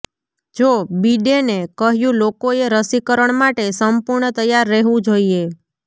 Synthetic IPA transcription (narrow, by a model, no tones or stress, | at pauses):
d͡ʒobiɖenekəɦjũlokoeɾəsikəɾəɳ̃maʈesəmpuɾɳət̪əjːaɾːeɦʋũd͡ʒoie